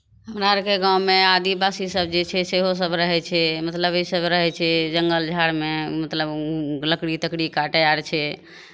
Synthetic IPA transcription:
ɦəmɾaɾkeɡãwmead̪ibasisəb̚ʱd͡ʒet͡ʃʰɛseɦos̬əbʱɾəɦɛt͡ʃʰɛmət̪ləbisəbʱɾəɦɛt͡ʃʰɛd͡ʒəŋɡəld͡ʒʱaɽmemət̪ləbləkɽit̪əkɽikaʈəjaɾt͡ʃʰɛ

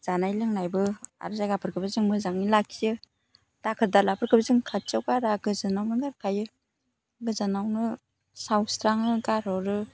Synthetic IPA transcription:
zanajlɯŋnajbɯa̰ɾɯzajɡapʰɯɾkʰɯbɯzɯŋmɯzaŋilakʰijɯ | d̥akʰɯdalapʰɯɾkʰɯbzɯŋkʰat̚t͡ʃawkaɾaɡɯzɯnawnɯɡaɾkʰajɯ | ɡɯzanawnɯ | sawstɾaŋɯɡaɾɔɾɯ

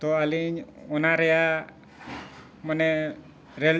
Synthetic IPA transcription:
t̪ɔaliɲɔnaɾɛa | manɛ | ɾɛl

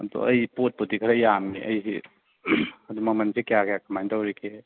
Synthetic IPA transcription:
ɐ̰d̪ɔ̰ɐjpot̚putikʰɐɾɐjamiʔɐ̰jsḭ | ɐd̪umɐk̚mansʰikjakʰjakɐmajntawɾekʰe

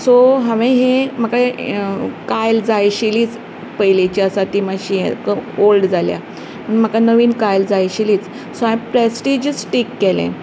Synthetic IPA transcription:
soɦãʋẽɦem̤akae | kajld͡zajɕiliːt͡s | pəjlet͡ɕiəsat̪imaɕijḛkəolɖd͡zalja̰ | məɳm̤əkanəʋiːnkajld͡zajɕiliːt͡s | soãẽpɾɛsʈid͡ʑisʈikːɛlḛ̃

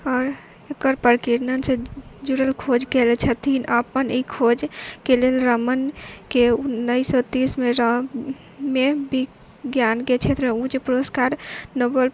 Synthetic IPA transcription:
ɔːɾ | ekəɾpəɾkiɾnənsẽd͡ʒuɾəlkʰod͡ʒkelɛt͡ʃʰɛt̪ʰinʔəpənikʰod͡ʒkelelɾəmənkeunːəjsɔt̪ismeɾə | mebi | ɡjanket͡ʃʰet̪ɾəmeũt͡ʃepɾoskaɾnobəl

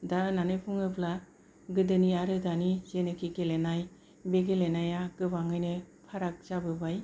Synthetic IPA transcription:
dananɯjpʰuŋɯpla | ɡɯdɯniaɾɯdanizenɯkʰikelenaj | beɡelenajakɯbaŋɯjnɯpʰaɾak̚zabɯbaj

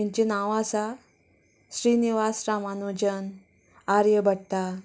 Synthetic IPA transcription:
ãɲt͡ɕinaʋasa | ɕɾiniʋasɾamanud͡ʑən | aɾjəbʱəɽt̪a

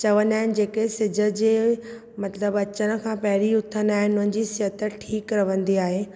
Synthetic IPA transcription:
t͡ɕɐʋənaːɦɪnɪ̆d͡ʑeːkesɪd͡ʑʱə̆d͡ʑeː | mɐt̪ləbɐt͡ɕəɽ̃ə̆kʰãːpɐɦɪɾiʊt̪ʰənaːɦɪnɪʊnənd͡ʑisɪɦət̪əʈʰiːkɾɐʋə̃nd̪iaːɦe

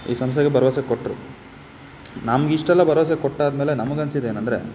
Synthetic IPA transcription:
ḭːsɐms̬t̪ʰeɡebɐɾɐʋɐsekoʈːɾu | namɐɡiʂʈɛlːɐbɐɾɐʋɐs̬ekoʈːaːd̪meːle̞nɐmɐɡɐnsid̪eːnɐnd̪ɾe̞̰

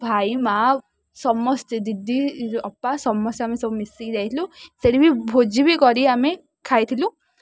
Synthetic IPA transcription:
bʱaima | sɔmːɔst̪ed̪id̪iɔpːasɔmːɔsamesɔbmisiɡd̪ajt̪ʰilũseɾibʱibʱod͡ʒibikɔɾiame | kʰajt̪ʰilũ

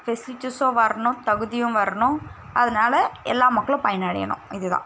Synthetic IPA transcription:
fɛslɪt͡ʃːɯsõːʋɐɾɐɳʊ̃t̪ɐɣɯðɪjʊ̃mʋɐɾɐɳʊ̃ | ɐðɐnaːlɐɛlːaːmɐkːɐɭʊ̃pɐjɐnaːɽɪ̰jɐ̰ɳʊ̰̃ɪðɯðã̰ː

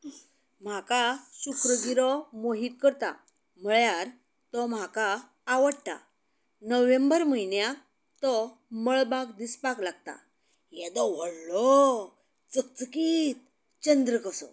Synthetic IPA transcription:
m̤akaɕukʰɾəɡiɾɔmoɦiːt̪̚kəɾt̪a̰ | m̤əɭjaɾ | t̪ɔm̤akaː | ʋəɽt̪a̰ | nəʋẽmbəɾməinja | t̪ɔ | məɭbakd̪ispaklaɡ̚t̪a̰ | jɛd̪ɔʋəɽlɔ | t͡sək̚t͡səkiːt̪̚ | t͡ɕənd̪ɾəkəsɔ̰

